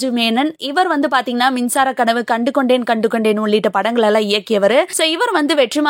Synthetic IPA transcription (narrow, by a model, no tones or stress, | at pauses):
d͡ʒɯmeːnɐnɪʋɐɾʋɐnd̪ɯpaːɾt̪iːŋɡɐnːaːmɪnsaːɾɐkːɐnɐʋɯkɐɳɖɯkːɔɳɖeːnkɐɳɖɯkːɔɳɖeːnːɯɔɭːɪʈːɐpɐɽɐŋɡɐɭɛlːãːɪjɐkːɪjɐʋɐɾɯsoːɪʋɐɾʋɐnd̪ɯʋɛʈrɪmaː